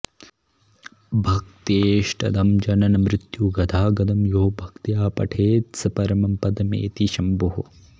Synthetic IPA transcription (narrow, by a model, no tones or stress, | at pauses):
bʱɐkt̪eːʂʈɐd̪ɐmd͡ʒɐnɐnɐmɾɪt̪juɡɐd̪ʰaːɡɐd̪ɐmjoːbʱɐkt̪jaːpɐ̰ʈʰeːt̪sɐpɐɾɐmɐmpɐd̪ɐmḛːt̪iʃɐmbuɦu